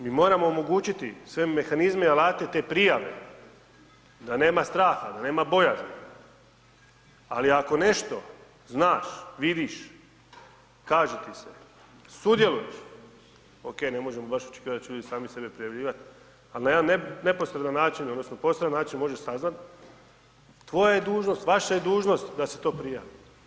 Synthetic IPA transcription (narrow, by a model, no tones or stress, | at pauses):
miːmo̞ːɾamo̞ːmo̞ɡuːt͡ɕit̪isʋe̞mːe̞xanizmeialaːt̪e̞t̪e̞ːpɾijaʋe̞̰ | d̪ane̞ːmast̪ɾaːxad̪ane̞ːmabo̞jazmi | a̰liako̞ne̞ʃt̪o̞ | znaːʃʋid̪iʃ | kaːʒet̪ise | sud̪je̞lujeʃ | oke̞ːne̞mo̞ʒemobaʃot͡ʃe̥kiːadat̪t͡ɕeʎuːd̪isaːmisebepɾijaʋʎiːʋat̪ | alinajed̪aneneposɾed̪anːaːt͡ʃinod̪nosnopo̞sɾd̪anːaːt͡ʃinmo̞ʒeʃsaznat̪ | ʋo̞jajed̪uːʒno̞st̪ʋaʃaje̞d̪uːʒno̞st̪d̪aset̪o̞ːpɾijaːʋi